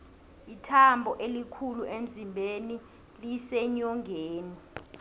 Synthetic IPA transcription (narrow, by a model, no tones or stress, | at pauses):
itʰambʱɔʔelikʰuluʔem̩zʱimbʱeni | lisɛɲɔŋʱeːni